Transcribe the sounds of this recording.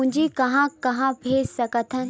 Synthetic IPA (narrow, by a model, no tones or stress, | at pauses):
ʊ̃d͡ʒʱikɐɦãkɐɦãbʱeːd͡ʒsɐkət̪ʰə̃n